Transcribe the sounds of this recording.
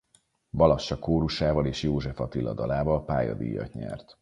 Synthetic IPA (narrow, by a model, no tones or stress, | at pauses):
bɒlɒʃːɒkoːɾuʃaːvɒleːʃjoːʒɛfɒt̪ilːɒd̪ɒlaːvɒlpa̰ːjɒ̰d̪ḭjːɒ̰tɲɛ̰rt̪